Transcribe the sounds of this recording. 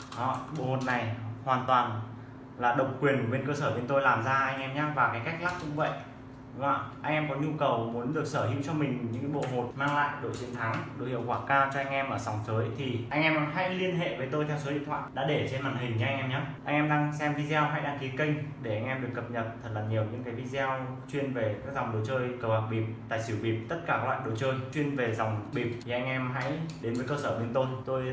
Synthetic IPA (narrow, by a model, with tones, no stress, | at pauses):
ʔɔ˧˨ɓo̰˧˨ho˨˩t̚na˨˩jhwaː˨˩nt̪waː˨˩n | laː˨˩ɗə˨˩wk͡p̚kwi˨˩ənku˨˩ɓe˧nkəː˧səː˧˩ɓe˧nt̪o˧jlaː˨˩mzaː˧ʔa˧jŋ̟ʔɛ˧mɲaː˨˦˥vaː˨˩kaː˨˦jka˦˥jk̚la˦˥k̚kʊ̰˧˥ŋ͡mvə̰˧˨j | ŋ͡ma̰˧˨ʔa˧ŋʔɛ˧mkɔ˨˦ɲu˧kə˨˩wmu˨˦ənɗɨ˨˩ək̚səː˧˩hḭ˧˥əwt͡ɕɔ˧mï˨˩ŋ̟ɲɨ̰˧˥ŋkːɓo̰˧˨ɦo˨˩t̚maː˧ŋla̰ː˧˨jɗo̰˧˨t͡ɕi˨ənt̪ʰa˨˦ŋɗo̰˧˨hḭ˧˨ə˨wkwaː˧˩kaː˧wt͡ɕɔ˧ʔa˧jŋ̟ʔɛ˧mʔəː˧˩sa˨˩wŋ͡mtəː˨˦jt̪ʰi˨˩ʔa˧jŋʔɛ˧mha̰˧˥jli˧ənɦḛ˧˨vəː˨˦jt̪o˧jt̪ʰɛ˧ws̬o˨˦ɗḭ˧˨nt̪ʰwa̰ː˧˨ɗa̰ː˧˥ɗe˧˩t͡ɕe˧nmaː˧˩nhï˨˩ŋ̟ɲɨ̰˧˥ʔa˧ŋʔɛ˧mɲə˦˥tʔa˧ŋ̟ʔɛ˧mɗaː˧ŋsɛ˧mvi˧za˧wɦa̰˧˥˦jɗaː˧ŋki˨˦kə˧ŋ̟ɗe˧˩ʔa˧jŋ̟ʔɛ˧mɗɨ˨˩əkːə˨˩p̚ɲə˨˩t̚t̪ʰə˨˩t̚laː˨˩ɲi˨˩əwɲɨ̰˧˥ŋkaː˨˦jvi˧zwt͡ɕwi˧ənve˨˩kaː˦˥k̚za˨˩wŋ͡mɗo˨˩t͡ɕəː˧jkəː˧˩whaː˨˩k̚ɓi˨˩p̚t̪a̰ː˧˨jsi˧˩əwɓi˨˩p̚t̪ə˦˥t̚kaː˧˩a˦la̰ː˧˨jɗo˨˩t͡ɕəː˧jt͡ɕwi˧ənve˨˩za˨˩wŋ͡mɓi˨˩p̪̚ʰi˨˩ʔa˧jŋ̟ʔɛ˧mɦa̰˧˥jɗe˨˦nvəː˨˦jkəː˧səː˧˩ɓe˨˧˦nt̪o˧jt̪o˧j